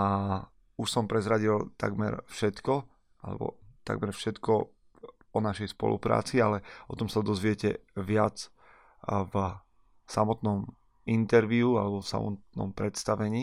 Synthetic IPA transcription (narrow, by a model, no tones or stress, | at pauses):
a | uʃsɔmpɾɛzɾaɟilt̪a̰ɡmɛ̰ɾfʃɛt̪kɔ | a̰lɛ̰bɔ̰t̪a̰ɡ̚mɛɾfʃɛt̪kɔ | ɔnaʃɛjspɔ̰lṵpɾa̰ːt͡sialɛɔt̪ɔmsad̪ɔzʋɪɛcɛʋɪat͡s | v | samɔt̪nɔm | int̪ɛɾʋiualɛbɔfsa̰mɔ̰t̪nɔ̰mpɾɛt̪st̪aʋɛɲiː